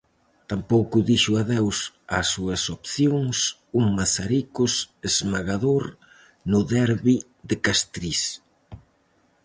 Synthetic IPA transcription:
t̪ampowkʊðiʃʊaðews | a̰sːuɐsopθjoŋsuŋmasaɾikʊsezmaɣaðoɾ | nʊðɛɾβi | ðɪkast̪ɾis

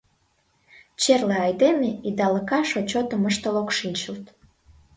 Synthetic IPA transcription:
t͡ɕerleɑjd̪emeid̪ɑləkɑʃot͡ɕot̪əməʃt̪əlokʃinʲt͡ɕəlt̪

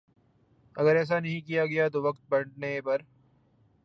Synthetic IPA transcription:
ɐ̰ɡəɾɛːs̬anɐɦĩkijaɡɐjat̪oʋɐkt̪̚bɐɖnepɐɾ

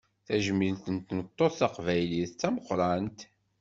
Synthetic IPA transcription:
θæʒəmilt̪ənt̪nət̪ˤːoθɑqvæjliθt͡sːæməqːɾˤɑnt̪

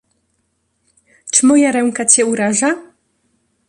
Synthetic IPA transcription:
t͡ʂɘ̥mɔjaɾɛŋkat͡ɕɛuɾaʐa

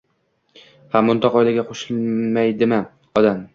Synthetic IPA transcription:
hamːʊnt̪ʰɒqɒjlaɡʲaqʰoʃɪlmajd̪ɪmɪ | ɒd̪am

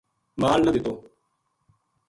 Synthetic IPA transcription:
maːlnəd̪ɪt̪oː

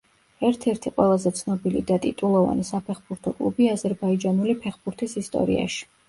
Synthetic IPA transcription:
ɛɾt̪ʰɛɾt̪ʰiqʼwɛ̰lˠazɛt̪sʰnɔbilḭd̪at̪ʼḭt̪ʼulˠɔva̰nisapʰɛχbuɾt̪ʰɔkʼlˠṵbiazɛɾbaid͡ʒanulipʰɛχbuɾt̪ʰisist̪ʼɔ̰ɾḭa̰ʃi̥

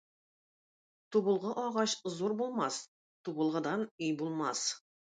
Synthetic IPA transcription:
t̪ʰubəlˠʁəʔɑʁɑʃzoɾbolˠmɑs | t̪ʰubəlˠʁə̆d̪ɑnɵjbulˠmɑs

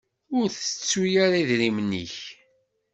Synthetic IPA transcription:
ʊɾθət͡sːujaɾiðɾimniç

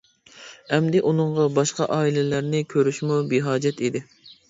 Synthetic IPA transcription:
ɛmd̪ɪʔunɨɴʁɑbɑʃqɑʔɑːilɪlæɾnɪkʲʰøɾyʃmubiɦɑːd͡ʒɛt̪id̪ɪ

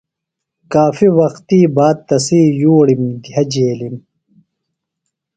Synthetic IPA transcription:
kaːfiwɐxt̪iːbaːd̪̚t̪ɐsiːjuːɽimɡ̪ʱɐd͡ʑeːlim

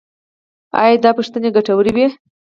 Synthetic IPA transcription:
ɑ̰jd̪ɑpəʂt̪əneɡaʈawəɾiwe

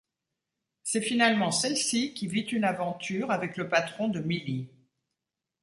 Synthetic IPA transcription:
sɛfinalmɑ̃sɛlsikʲivit̪ynavɑ̃t̪yʁavɛkləpat̪χɔ̃d̪əmili

